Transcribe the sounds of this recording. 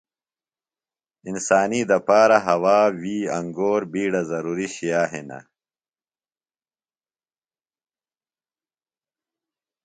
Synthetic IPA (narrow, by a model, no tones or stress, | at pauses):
insaːnid̪ɐpaːɾaɦɐwaːwiːɐŋɡoːɾbiːɽazɐɾuːɾiɕijaːɦḭnɐ̰